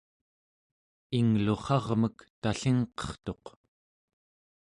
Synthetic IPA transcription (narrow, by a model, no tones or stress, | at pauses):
iŋluχɑʁməkt̪aɬiŋqʌ̥χt̪o̞q